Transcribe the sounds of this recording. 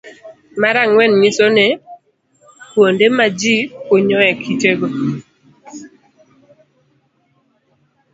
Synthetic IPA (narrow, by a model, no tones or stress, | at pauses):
maɾaŋwɛnɲisone | pwondemad͡ʒipoɲɔɛkʰiteɡo